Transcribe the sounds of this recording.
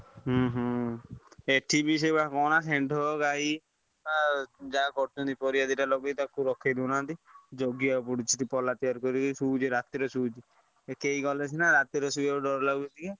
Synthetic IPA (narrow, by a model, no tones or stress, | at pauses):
ɦɦ | eʈʰibis̬ebakɔnaseɳɖʱɔɡai | ad͡ʒakɔɾt͡ʃɔnt̪ipɔɾijad̪iʈalɔɡet̪akuɾɔkʰːed̪inant̪id͡ʒɔɡjiap̬uɽit͡ʃʰit̪ipɔlat̪iaɾkɔɾikesuːd͡ʒiɾat̪iɾɔsuːd͡ʒi | ekejɡɔlet͡ʃʰinaɾat̪iɾɔsuauɖɔɾlaɡut͡ʃʰit̪ike